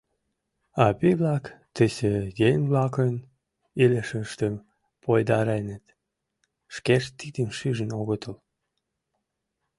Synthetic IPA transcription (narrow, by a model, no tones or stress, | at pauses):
ɑpiβlɑkt̪əsejejβlɑkən | ilʲeʃəʃt̪əm | pʰojd̪ɑɾenət̪ | ʃkeʃt̪id̪imʃyʒənoɣət̪əl